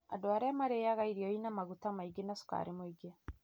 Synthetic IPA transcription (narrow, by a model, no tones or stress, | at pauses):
a̰doaɾɛmaɾejaɣaiɾiɔinamaɣutamaiɡenasu̥ka̰ɾemwiɡe